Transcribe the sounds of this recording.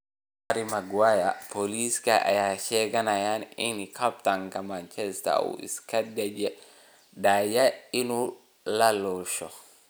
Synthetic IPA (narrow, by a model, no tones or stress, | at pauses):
aɾimaɡwajapoliskaʔa̰jaʃɛɡanajaninikʰaptaŋkamant͡ʃɛsta̰w̰ḭskadad͡ʒɛ | dajainu | lalɔʃɔ